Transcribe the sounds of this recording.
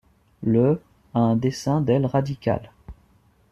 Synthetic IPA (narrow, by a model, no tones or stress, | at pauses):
lə | aɛ̃d̪esɛ̃d̪ɛlʁad̪ikʲa̰l